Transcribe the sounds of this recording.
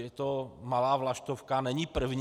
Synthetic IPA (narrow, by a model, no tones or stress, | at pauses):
jɛt̪ɔmalaːvlaʃt̪ɔfkanɛɲiːpr̩vɲ